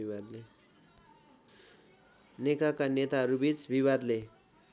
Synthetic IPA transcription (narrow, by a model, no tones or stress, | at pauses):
iad̪le | nekakanet̪aɦʌɾubit͡sbibad̪le